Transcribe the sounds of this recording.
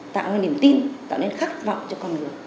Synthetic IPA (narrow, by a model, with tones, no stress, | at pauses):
t̪a̰ː˧˨waː˧jni˨˩əmt̪i˧nt̪a̰ː˧˨le˧nxa˦˥k̚va̰˧˨wŋ͡mt͡ɕɔ˧kɔ˧nŋɨ˨˩əj